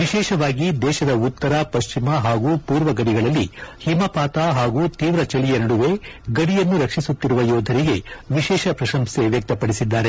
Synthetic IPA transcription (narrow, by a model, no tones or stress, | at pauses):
ʋiʃɛːʃɐʋaːɡid̪ɛːʃɐd̪ɐut̪ːɐɾapɐʃt͡ʃimɐɦaːɡuːpuːɾʋɐɡɐɽiɡɐɭɐlːihimɐpaːt̪aɦaːɡuːt̪iːʋɾɐt͡ʃɐlijɐnɐɽuʋe̞ɡɐɽijɐnːuɾɐkʂisut̪ːiɾuʋɐjɔːd̪ʱɐɾiɡe̞ʋiʃɛːʃɐpɾɐʃɐmse̞ʋjɐk̚t̪ɐpɐɽisid̪ːaːɾe